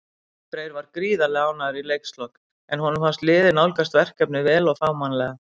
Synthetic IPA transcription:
pɾeːjɾvaɾ̥kɾiːðalɛɣawnaðʏɾilejkst̪lɔk | ɛnhɔnʏmfanst̪lɪːðɪnawlkast̪vɛr̥kɛpnɪvɛːlɔɣfaːwmanlɛːɣa

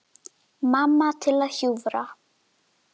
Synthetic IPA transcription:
mamːat̪ʰelahuvɾa

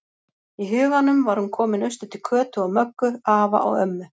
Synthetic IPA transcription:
iɦʏːɣanːʏmvaɾ̥hunkʰɔːmɪnʏnst̪ʏt̪ʰɪlkʰœːt̪ʏawmœkːʏaːva̰ʔɔ̰ɣœ̰mːʏ

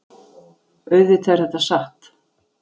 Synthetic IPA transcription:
œɥðɪt̪ʰeɾ̥hɛht̪asaht̪

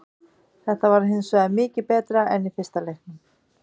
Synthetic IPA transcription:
θɛht̪avaɾɦɪnsvœːðamɪːcɪpɛːt̪ɾaɛnifɪɾ̥st̪alejhknʏm

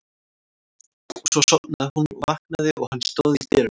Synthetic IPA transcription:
svɔsɔt̪naðhunvahknaðɪʔɔɣhanːst̪oːwðiθɛːɾʏ

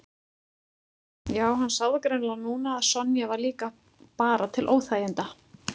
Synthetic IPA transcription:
jaːwɦanːsaːwðɪkɾeɥnlanuːnaːðsɔnːjavaɾliːka | paːɾat̪ʰɪlʔoːwθaːjɪnt̪a

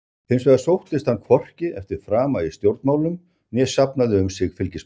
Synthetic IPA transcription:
θejnsvɛðasowht̪ɪst̪hankʰvɔr̥cɪʔɛft̪ɪɾ̥fɾaːmaɪst̪jowɾt̪maːwlʏm | njɛsapnaðɪʏmsɪɣfɪlcɪ

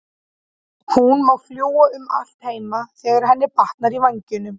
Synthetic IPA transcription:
hunmawfljoːwaʏma̰l̥t̪heːjmaθɛːɣaɾ̥ɦɛnːɪpaht̪naɾivajɲcɪnʏm

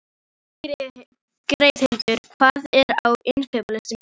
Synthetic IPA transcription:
kɾeːjðhɪmnt̪ʏɾ̥kʰvaːðɛɾawɪnfɛːpalɪst̪ɪm

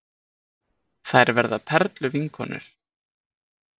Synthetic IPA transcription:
θajɾvɛɾðapʰɛɾt̪lʏviŋkʰɔnʏ̰ɾ̥

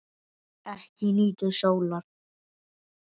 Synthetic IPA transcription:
ɛhcɪniːt̪ʏʃowlaɾ̥

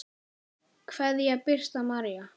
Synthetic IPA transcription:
kʰvɛðjɛɣpɪr̥st̪amaɾja

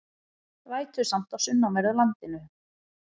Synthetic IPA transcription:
vaːjt̪ʏ̥sam̥t̪awsʏnːamɛɾawlant̪ɪnʏ

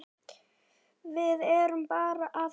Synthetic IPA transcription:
vɪðɛɾʏmpaːɾaʔað

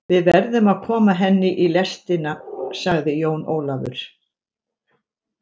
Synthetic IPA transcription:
vɪðvɛɾðʏmaðkʰɔːmaɦɛnːɪʔilɛst̪ɪnasaɣðɪjoːwnoːwlavʏ̰ɾ̥

